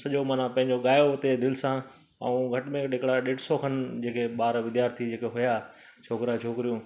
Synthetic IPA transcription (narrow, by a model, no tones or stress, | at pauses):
sɐʄomaːnãpɐ̃ɦɪ̃ɲd͡ʑoɠaːjot̪ed̪ɪlɪsã | ɐ̰ũɡʱɐʈmẽɗɪkɽaɗeːʈsoːkʰənɪ̆d͡ʑeːkʰeɓaːɾʋɪd̪jaːɾt̪ʰid͡ʑeːkʰeɦʊja | t͡ɕʰoːkɾat͡ʃʰoːkɾijũː